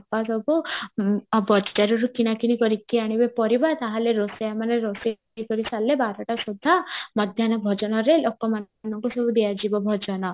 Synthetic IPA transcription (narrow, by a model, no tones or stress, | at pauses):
pːasɔbu | bɔd͡ʒd͡ʒaɾɔɾukinakinikɔɾit̪ʰiaɽ̃ibepɔɾibat̪aɦaleɾosɔjamaneɾosi | ikɔɾisalːebaɾɔʈasud̪ʱːamɔd̪ʱjanɔbʱɔd͡ʒɔnɔɾelokːɔma | nɔŋkusɔbud̪iad͡ʒibɔbʱɔd͡ʒɔnɔ